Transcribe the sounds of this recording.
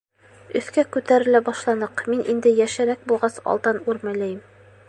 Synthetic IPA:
ɵ̆θkækʉt̪æɾɘ̆læbɑʃlˠɑnɤqminʔind̪ɘjæʃɘ̆ɾæk̚bulˠʁɑsɑ̰lˠt̪ɤnʉɾmæ̆læjɘm

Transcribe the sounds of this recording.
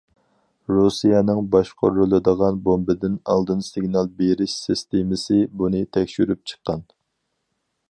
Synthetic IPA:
ɾusijɛnɨŋbɑʃqʰo̰ɾulˠɨd̪əʁɑnbombɨd̪ɪnɑ̰lˠd̪ɨnsiɡnɑlˠbeɾɪʃsist̪emɪsɨbunɨt̪ʰɛkʲʃyɾyp̚t͡ʃʰə̥qːɑn

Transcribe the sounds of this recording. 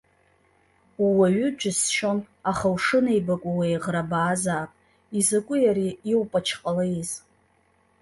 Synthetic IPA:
uwaɥʏd͡ʒʷʰʼɪsʃo̞n | aχawʂɨnejbakʷʼawejʁrabaːzaːpʼ | izakʷʼʊjaɾiːwpʼat͡ʃʰqʼalaiz

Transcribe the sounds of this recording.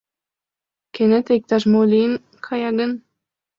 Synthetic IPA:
kenet̪eik̚t̪ɑʃmolʲin | kʰɑjɑɡə̆n

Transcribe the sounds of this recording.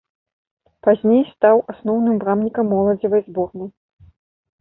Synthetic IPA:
pazʲnʲejst̪awasnɔwnɨmbɾamnʲikɐmːɔlˠɐd͡zʲivɐjzbɔrnɨj

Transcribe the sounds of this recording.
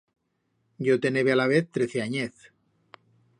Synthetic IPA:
ɟ͡ʝot̪e̞neβealaβ̞eθt̪ɾeθeaɲeθ

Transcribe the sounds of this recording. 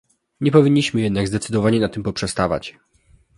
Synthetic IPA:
ɲɛpɔvʲiɲːiɕmɘjɛd̪naɡzd̪ɛt̪sɘd̪ɔvaɲɛnat̪ːɘmpɔpʂɛst̪ava̰t͡ɕ

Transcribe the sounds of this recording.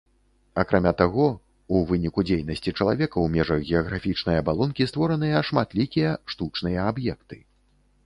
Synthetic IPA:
akɾʔamʲat̪aɣɔ | uvɨnʲikud͡zʲejnɐsʲt͡sʲit͡ʂɐlˠavʲɛkɐwmʲɛʐɐɣɣʲɛɐɣɾafʲit͡ʂnɐjɐbalˠɔnkʲist̪vɔɾɐnɨjɐʂmat̪lʲikʲijɐʂt̪ut͡ʂnɨjɐabjɛkt̪ɨ̥

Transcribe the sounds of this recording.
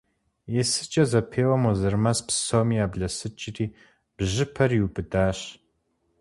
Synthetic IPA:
jɛsɨ̥t͡ʃʼɐzɐpʰeːwɐmɔzɐrmɐspsomiːaːbɮɐsɨt͡ʃʼɪriː | b̥ʑɪpʰɐriubɨdaːɕ

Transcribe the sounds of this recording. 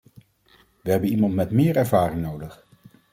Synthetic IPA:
ʋəɦɛbənimɑntmɛtmɪːɹɛɹvaːrɪŋnowdəχ

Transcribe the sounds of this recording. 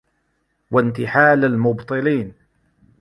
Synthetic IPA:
want̪ɪħaːlalmʊbt̪ˤɨliːn

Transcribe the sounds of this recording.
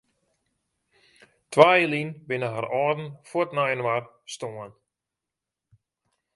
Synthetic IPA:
tʰʋaːjəlinbɪnəɦaɾɔrdn̩fotnajənʋar | stoən

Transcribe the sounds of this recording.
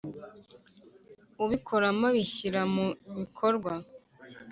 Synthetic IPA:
uβikʰo̞ɾamaβiɕiɾamuβikʰoɾɡwa

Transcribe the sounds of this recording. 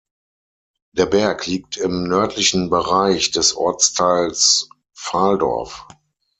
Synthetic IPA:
d̥eːɐbɛɐkʰliːk̚tʰɪmnœɐtʰlɪçn̩bəʁaɪçd̥ɛsʔɔ̰ɐt͡stʰaɪls | faːldɔ̰ɐf

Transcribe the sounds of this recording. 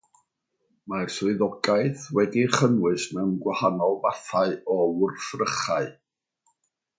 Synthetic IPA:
marsʊɨðɔɡaɨθwɛdiχənwɨsnəmɡwahanɔlˠvaθaɨɔʊrθrəχaɨ

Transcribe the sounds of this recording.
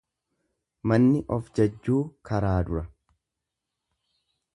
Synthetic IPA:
mɐnːɪʔɔfd͡ʒɐd͡ʒːuːkɐɾaːd̪ʊɾɐ

